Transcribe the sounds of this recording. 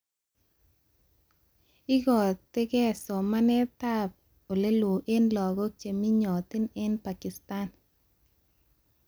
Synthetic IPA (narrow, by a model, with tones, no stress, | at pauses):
ɪ˦ɡɔ˨t̪ɪ˦ɡɛ˦˨sɔ˨ma˦nɛ˦t̪a˦p̚ | o˨le˦lwo˨ʔe˦nlɔ˨ɡɔ˦t͡ʃe˨mi˦ɲɔ˨t̪ɪ˦ne˦npa˨kɪ˨sta˦n